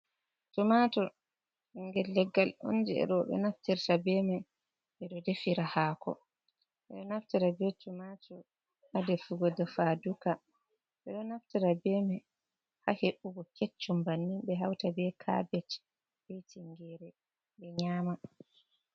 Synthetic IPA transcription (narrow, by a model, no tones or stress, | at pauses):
tumatɔ | iŋɡɛlːɛɡːalo̰nd͡ʒɛɛ̰ɗɔɓɛ̰naftiɾtabɛmɛ | ʔɛɗɔdefiɾahaːkʰɔ̰ | ɓɛɗɔnaftiɾabɛtumatɔ | hadefuɡɔdafaduka | ɓɛɗɔnaftiɾabɛmɛ | ha̰heɓːuɡɔket͡ʃːumbanːinbɛɦawtabɛkʰa̰bɛt͡ʃ | bejtiŋɡɛɾɛ | ɓɛɲaːma